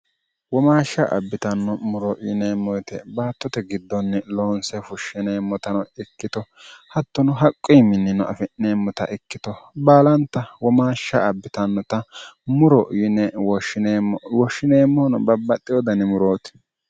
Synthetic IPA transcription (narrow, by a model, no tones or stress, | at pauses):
wɔmaːʃːɐ̰ʔɐ̰bːɪt̪ɐnːɔmʊɾɔʔɪneːmːɔjt̪ɛbaːt̪ːɔt̪ɛɡɪd̪ːɔnːɛloːnsɛfʊʃːɪneːmːɔt̪ɐnɔɪkːɪt̪ɔ | hɐt̪ːɔnʊɦɐkʼːɔjmɪnːɪnɔʔɐ̰fɪnːeːmːɔt̪ɐ̰ʔɪkːɪt̪ɔbaːlɐnt̪ːɐwɔmaːʃːɐʔɐbːɪt̪ɐnːɔt̪ɐmʊɾɔʔɪnɛwɔɪwɔʃːɪneːmːɔnɔbɐbːɐt̪ʼːɪjɔd̪ɐnɪmʊɾoːt̪ɪ̥